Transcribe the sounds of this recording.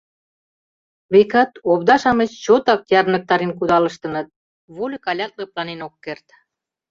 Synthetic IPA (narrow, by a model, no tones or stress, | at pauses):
βekɑt̪obd̪ɑʃɑmet͡ɕt͡ɕot̪ɑkjɑrnə̆k̚t̪ɑɾenkud̪ɑlə̆ʃt̪ə̆nɤ̆t̪̚ | βolʲəkɑlʲɑt̪leplɑnenokːert̪